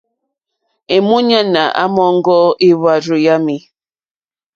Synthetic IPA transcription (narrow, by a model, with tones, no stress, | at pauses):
e˨mu˦ɲa˦na̰˨ʔa̰˦mɔ˦ŋ̩˦ɡɔ˦i˦βa˦ɾu˨ja˦mi˨